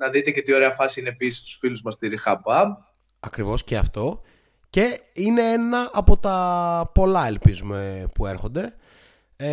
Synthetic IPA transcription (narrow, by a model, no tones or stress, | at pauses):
nɐðit̪e̞cet̪io̞ɾeɐfɐsiineepisi̥st̪u̥sfiluzmɐst̪iɾixɐbɐ | ɐkɾivo̞sceɐft̪o̞ | ce̞ine̞enɐʔɐpo̞t̪ɐpo̞lɐelpizume̞pue̞ɾxo̞nd̪e̞